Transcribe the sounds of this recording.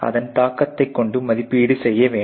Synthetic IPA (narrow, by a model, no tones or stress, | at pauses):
ɐ̰ðɐnt̪aːkːɐt̪ːɐɪkːɔɳɖɯmːɐðɪpːiːɽɯsɛjːɐʋeː